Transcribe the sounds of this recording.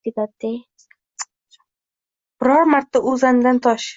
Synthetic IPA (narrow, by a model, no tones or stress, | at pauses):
ed̪at̪̚ːej | b̥ɪɾɒɾmaɾt̪ːaʔʊzanɪd̪ant̪ʰɒʃ